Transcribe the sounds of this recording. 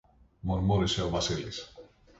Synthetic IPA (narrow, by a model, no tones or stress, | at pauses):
moɾmoɾeseoβaseles